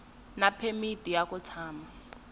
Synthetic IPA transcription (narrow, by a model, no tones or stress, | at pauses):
napʰemitʼijakut͡sʰaːma